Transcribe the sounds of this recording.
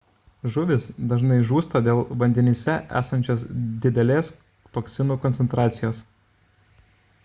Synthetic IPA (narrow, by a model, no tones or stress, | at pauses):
ʒʊʋʲɪsd̪ɐʒnɐɪʒuːst̪ɐd̪ʲeːlˠʋɐnʲd̪ʲɛnʲiːsʲɛʔæ̰ːsɐnʲt͡ʃʲoːsd̪ʲɪd̪ʲɛlʲeːs | t̪oːksʲɪnuːkɔnʲtsʲɛnt̪ɾɑːt̪sʲɪjoːs